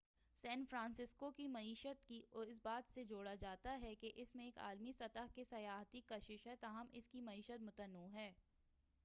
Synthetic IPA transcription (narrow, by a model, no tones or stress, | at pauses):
sɛ̃ːnfɾãːnsɪskokimɐiːʃət̪kiɔɪs̬baːt̪sed͡ʒoːɽad͡ʒaːt̪aɦɛkeʔɪsmẽeːka̰ːlmisɐt̪əɦkesɐjaːɦt̪ikɐʃɪʃɦɛt̪aːɦəmɪskimɐiːʃət̪mʊt̪ənːuɦɛː